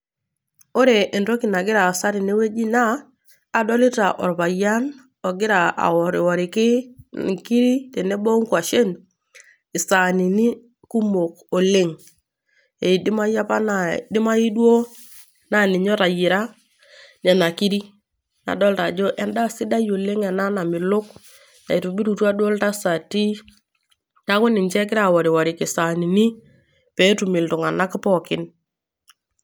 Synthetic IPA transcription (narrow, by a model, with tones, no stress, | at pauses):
o˦ɾe˨ʔe˨ndo˦ki˨na˨ɡɪ˦ɾa˨sa˦ɾi˨ne˦we˦d͡ʒi˦naː˦˨ | dɔ˦lɪ˦ta˨ʔɔ̰˨ɾβa˨ja˦n | ɔ˨ɡɪ˦ɾa˨a̰˨wɔ˨ɾɪ˨wɔ˨ɾɪ˨kɪ˦ki˦ɾi˦te˨ne˦bo˦ŋkwa˨ʃe˦n | ɪ˨sa˨ni˨ni˦ | ku˦mo˨k | o˨le˦ŋ | e˨dɪ˦ma˦ja˦pa˦nadɪ˦ma˦i˦dwo˦ | na˨nɪ˨ɲɔ˦ɾa˨jɪ˨ɾa˦ | ɲɛ˨na˨ki˦ɾi˦ | na̰˨dɔ˦lta˨d͡ʒo˦ʔɛ˨nda˦sɪ˦da˦jo˨le˦ŋɛ˨na˦na˨mɪ˨lʊ˦k | na˨i˨tu˨bi˦ɾu˨twa˦dwɔ˦lta˦sa˨ti˦ | ta˦kʊ˦nɪ˨nt͡ʃɛ˦k̬ɪ˦ɾa˨wɔ˨ɾɪ˨wa˨ɾɪ˨kɪ˨sa˨ni˨ni˦ | pɛ˨˦tu˨mɪ˨ltʊ˨ŋa˨na˦kɪ˦pɔ˦˨kɪ˦n